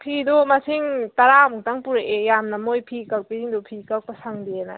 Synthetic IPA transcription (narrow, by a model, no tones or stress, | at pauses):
pʰidɔmasiŋtaɾamuk̚taŋpuɾaʔejamnɐmojpʰikak̚piziŋdɔpʰikak̚pasaŋdiena̰